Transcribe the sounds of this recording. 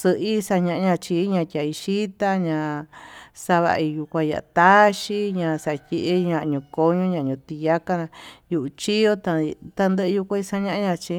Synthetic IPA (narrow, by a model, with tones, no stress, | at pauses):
sɨ˧ʔi˦sa˧ɲã˧ʔɲã˧t͡ʃi˧˦ɲã˧tʲa˨i˧ʃi˦t̪a˦ɲã˧ | sa˧βa̰˧i˧ju˧kʷã˧ja̰˨ʔt̪a˦ʃi˦ɲã˧sa˧tʲi˧ʔe˦ɲã˧ɲũ˧ko˧ɲõ˦ɲã˧˨ɲũ˧t̪i˧ja˦ka˦˧nã˧ju˧ʔu˧t͡ʃi˦jo˦t̪a˧t̪a˧nd̪ə˦ʔɨ˧ju˧kʷã˦i˧sa˧ɲã˦ʔɲã˧t͡ʃi˧˦